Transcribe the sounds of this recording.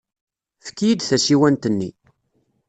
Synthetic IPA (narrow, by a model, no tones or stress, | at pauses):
fə̥kːjid̪θæsiwænt̪ənːi